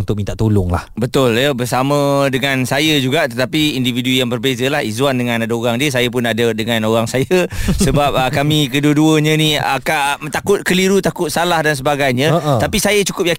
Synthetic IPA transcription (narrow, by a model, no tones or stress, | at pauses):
nt̪ʊk̚mint̪aʔt̪ulʊŋla̰hbət̪ʊljəbərsamə̃dəŋãnsajəd͡ʒuɡaʔt̪ət̪apiindividujaŋbərbezəlahizuandəŋãnadaoɾaŋdiəsajəp̬ʊnadədəŋanoɾaŋsajəsəbap̚əkamĩkəduəduəɲə̃niakat̪akʊt̪̚kəliɾut̪akʊt̪̚salahdans̬əbaɡajɲə̃t̪apisajət͡ʃu̥kʊp̚ja